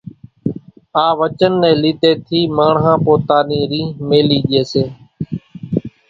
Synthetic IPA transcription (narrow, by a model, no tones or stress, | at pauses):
ãːʋət͡ʃənːɛ̃ːliːt̪eːt̪ʰiːməːɳɦãːpoːt̪aːniːɾĩːmeːliːɗeːseː